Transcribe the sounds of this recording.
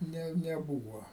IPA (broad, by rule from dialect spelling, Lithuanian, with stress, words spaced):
ˈnʲɛ nʲɛˈbuːʋɐ